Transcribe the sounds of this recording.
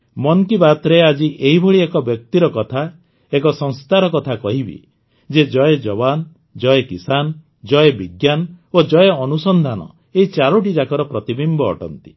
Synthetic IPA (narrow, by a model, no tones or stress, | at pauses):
mɔnkibat̪ɾead͡ʒiʔeɦibʱɔɭiekɔbjɔk̚t̪iɾɔkɔt̪ʰa | ekɔsɔŋst̪aɾɔkɔt̪ʰakɔɦibḭ | d͡ʒed͡ʒɔjed͡ʒɔban | d͡ʒɔjekisan | d͡ʒɔjebiɡjanod͡ʒɔjeɔnusɔnd̪ʱanɔ̰ | eit͡ʃaɾuʈ̬id͡ʒakɔɾɔpɾɔt̪ibimbɔ̰ːʈɔ̰nt̪i̥